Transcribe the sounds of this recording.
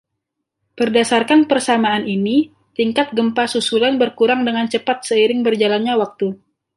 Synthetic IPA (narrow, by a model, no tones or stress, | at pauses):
bərdasarkanpərsamaːnini | t̪iŋkat̪̚ɡəmpasusulanbərkuɾaŋdəŋant͡ʃəpat̪̚səiɾɪŋbərd͡ʒalanɲawak̚t̪u